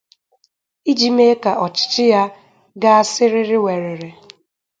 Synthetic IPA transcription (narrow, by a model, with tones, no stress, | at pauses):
i˦d͡ʒi˨me˦ka˨ʔɔ˨t͡ʃɪ̥˨t͡ʃɪ˦ja˦ | ɡa˦a˦sɪ˦ɾɪ˦ɾɪ˦we˨ɾe˨ɾe˨